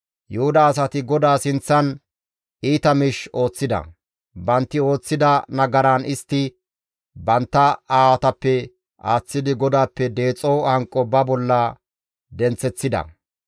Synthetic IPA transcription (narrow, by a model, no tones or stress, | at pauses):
jʊhʊd̪ɐːs̬ɐt̪ɪɡɔd̪aːsɪnt͡sːɐn | iːt̪ɐmɪʃo̞ːt͡sːɪd̪ɐ̰ | bɐnt̪ːɪo̞ːt͡sːɪd̪ɐnɐɡɐɾaːnɪst̪ːɪ | bɐnt̪ːɐaːwɐt̪ɐpːɛ | ʔaːt͡sːɪd̪ɪɡɔd̪aːpːɛd̪e̞ːt͡sʼːowɐŋkʼːɔbɐbɔlːɐ | d̪ɛnt͡sːɛt͡sːɪd̪ɐ̰